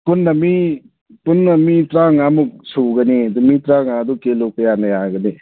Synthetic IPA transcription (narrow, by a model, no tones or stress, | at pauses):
punːɐmi | punːɐmitɾaŋamuk̚suɡɐniɐdumitɾaŋadukelokəjanɐjaɡɐni